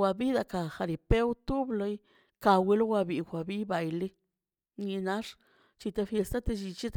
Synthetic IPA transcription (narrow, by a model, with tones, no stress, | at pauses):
wʷa˧bi˦d̪a˧ka˨xa˧ɾi˨pe˦wt̪u˦blo˧j | ka˧wi˧lo˦wʷa˧bi˨˧˨xʷa˨bi˦ba˨jli˦ | ɲi˧na˦ʂ | t͡ʃi˧t̪a˧fje˧st̪a˦t̪e˧t͡ʃi˧t͡ʃi˦t̪